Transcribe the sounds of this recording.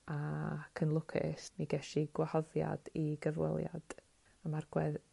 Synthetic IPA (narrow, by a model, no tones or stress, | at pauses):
akʰənlˠʊkʰɪ̰sniɡɛʃiɡwahɔðja̰d̥iɡəvwɛ̰lˠja̰d̥ | amarɡ̥wɛð